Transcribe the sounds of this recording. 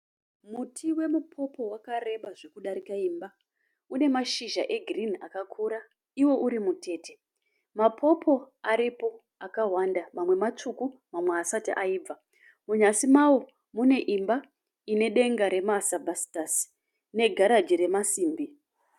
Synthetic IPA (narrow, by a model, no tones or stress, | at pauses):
mutʰiwe̞mupʰo̞po̞wakare̞ɓaʐe̞kuɗaɾikaimba | une̞maʃiʒaʔe̞ɡʱrinakakʰuɾa | iwo̞ʔuɾimute̞ːte | mapʰo̞po̞ | aɾipo̞ | akaɦwandamamwe̞mat͡ʂukumamwe̞asatiʔaiːb͡va | muɲasimawo̞ | mune̞ʔimba | ine̞ɗe̞ŋɡaɾe̞masabʱasi̥tas | ne̞ɡʱaɾad͡ʒiɾe̞masiːmbi